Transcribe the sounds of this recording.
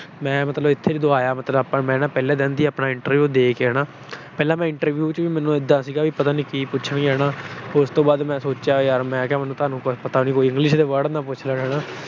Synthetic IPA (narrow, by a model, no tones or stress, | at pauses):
mɛ̃ːmət̪ləbɪt̪ʰːeːd͡ʒid̪oaːjaːmət̪ləbapːãːmɛ̃ːnãːpɛːlɛːd̪ɛ̃ːnd̪iːaːpnaːɪɳʈəɾʋjuːd̪eːkɛːɽãː | pɛːlãːmɛ̃ːɪɳʈəɾʋjuːt͡ʃʋiːmɛ̃ːnũːɪd̪ːãːsiːɡaːʋiːpət̪aːniːkiːpʊt͡ʃʰənɦɛːnaːoʊst̪õːbaːd̪mɛ̃ːsoːt͡ʃjaːaːɾmɛ̃ːkɛːmɛːnːũːt̪ʰaːnũːkpət̪aːnĩːkoːiɪ̃ŋɡlɪʃd̪eːʋəɽnãːpʊt͡ʃʰləɽɦɛːnãː